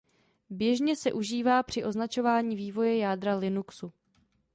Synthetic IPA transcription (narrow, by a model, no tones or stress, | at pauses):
bjɛʒɲɛsɛʔuʒiːvaːpr̝̥ɪʔo̞znat͡ʃo̞vaːɲiːviːvo̞jɛjaːdɾalɪnuksu